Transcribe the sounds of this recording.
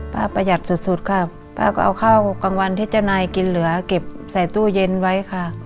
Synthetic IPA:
paː˧˩pa˧ja˨˩t̪̚su˨˧˩t̪̚su˧˦t̪̚kʰa˧˩ | pa̰ː˧˩kɔː˧˨ʔa˧wkʰaː˥˩wkka˧ŋwa˧nt̪ʰeː˦˥˩t̪̚t͡ɕa˧naː˧jki˧nlɯ˨˩˦ɐke˨˩p̚ | sa˨˩jt̪uː˧˥˩je˧nwa˦˥jkʰa˧˩

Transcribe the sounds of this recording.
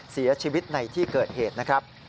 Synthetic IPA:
si˩˦ɐ˦t͡ɕʰiː˧wi˦˥t̪̚na˧jt̪ʰiː˥˩kɤː˨˩t̪̚heː˨˩t̪̚na˦˥kʰɾa˦˥p̚

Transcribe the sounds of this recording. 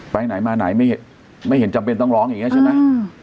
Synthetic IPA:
pa˧jna˨˩˦jmaː˧na̰˨˩˦jma˥˩jhe˨˩˦n | ma˥˩jhɦe˩˦nt͡ɕa˧mpe˧nt̪ɔ˥˩ŋlɔː˦˥ŋjŋi˦˥˦t͡ɕʰa˥˩ma˦˥j

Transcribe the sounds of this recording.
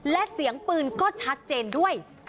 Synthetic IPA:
lɛ˦˥si˨˩˦əŋpɯː˧nkɔː˥˩t͡ɕʰa˦˥t̪̚t͡ɕeː˧ndu˥˩əj

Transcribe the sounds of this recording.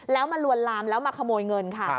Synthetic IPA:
lɛː˦˥wma˧nlu˧ənlaː˧mlɛː˦˥wmaː˧˩kʰa˧moː˧jŋɤ˧nkʰa˥˩

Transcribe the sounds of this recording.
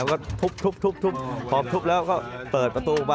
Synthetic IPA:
wkɔː˥˩t̪ʰu˦˥p̚t̪ʰu˦˥p̚t̪ʰu˦˥p̚t̪ʰu˦˥p̚pʰɔː˨˩mt̪ʰu˦˥p̚lɛː˦˥wkɔː˥˩pɤː˨˩t̪̚pɾa˧t̪uː˧wa˧

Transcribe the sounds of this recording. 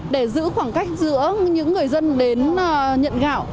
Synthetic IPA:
ɗe˧˩zɨ̰˧˥xwaː˧˩ŋka˦˥jk̟̚zɨ̰˧˥əɲɨ̰˧˥ŋːɨ˨˩əjzə˧nɗe˨˦nː˨˩ɲə̰˧˨nɣa̰ː˧˩˨w

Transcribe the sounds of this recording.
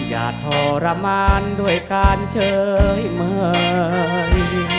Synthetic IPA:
ja̰ː˨˩t̪ʰɔː˧˩ɾa˧maː˧ndu˧˩əjkaː˧nt͡ɕʰɤː˧jməː˧j

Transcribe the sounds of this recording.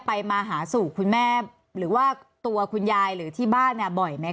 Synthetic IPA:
pa˧jmaː˧ɦaː˩˦suː˨˩kʰu˧nmɛː˥˩ | ɾɯː˩˦waː˥˩ | t̪u˧ɐkʰu˧njaː˧jɾɯː˨˩˦t̪ʰiː˥˩baː˥˩nːi˥˩bɔ˨˩jma˦˥j

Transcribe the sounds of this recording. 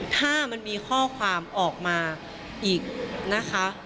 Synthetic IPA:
t̪ʰaː˥˩ma˧nmiː˧kʰɔː˥˩kʰwaː˧mʔɔː˨˩k̚maː˧ | ʔiː˨˩k̚na˦˥kʰa˦˥

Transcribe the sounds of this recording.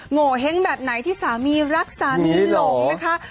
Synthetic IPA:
ŋo˨˩ɦe˦˥ŋbɛː˨˩p̚na˩˦jt̪ʰiː˥˩saː˩˦miː˧ɾa˦˥k̚saː˩˦miː˧˨˦lo˨˩na˦˥kʰa˦˥

